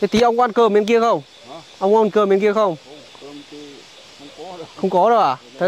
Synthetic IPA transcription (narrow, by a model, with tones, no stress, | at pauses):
t̪ʰe˨˦t̪i˨˦ʔə˧wŋkʔa˧nkəː˧˩me˧˦nki˧əxə˧wŋ͡m | ʔə˧wŋ͡mkːa˧nkəː˧˩me˧˦nki˧əxə˧wŋ͡m | xə˧wŋ͡mkɔ˨˦ɗə˨˧˩ʔaː˨˩t̪ʰa˨˦